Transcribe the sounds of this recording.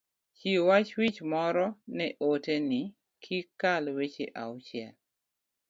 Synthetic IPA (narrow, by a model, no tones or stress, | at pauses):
t͡ʃiwat͡ʃwit͡ʃmɔɾɔnɛʔoteni | kʰikalwet͡ʃeʔawt͡ʃjɛl